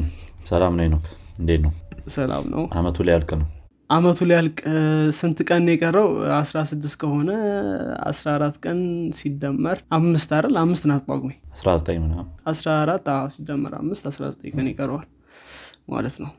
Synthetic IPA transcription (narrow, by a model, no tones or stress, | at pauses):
səlamnəwjnəwk | ɨnd̪et̪nəwsəla̰mnʔə̰wʔa̰mət̪ʰuljalkʼnəw | ʔamət̪ʰuljalkʼsɨnt̪kʼənjɛkʼəɾəwasɾasɨd̪ːɨst̪kʰəho̞nəa̰sɾaaɾat̪ːkʼənsid̪ːəmːəɾʔamːɨst̪aɾəlamːɨst̪ɨnat̪̚kʼa̰ɡmeasɾazət̪ʼəɲmɨnamasɾaɾat̪ːasid̪ːəmːə̰ɾa̰mːɨst̪asɾa̰zət̪ʼə̰ɲkʼənjɛkʼəɾwal | ma̰lət̪nəw